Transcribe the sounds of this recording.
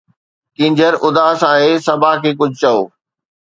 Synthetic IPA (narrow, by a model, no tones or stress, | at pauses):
kɪ̃ɲd͡ʑəɾʊd̪aːsaːɦeːsɐbʱaːkʰeːk̬ʊd͡ʑʱt͡ɕɐo̰ː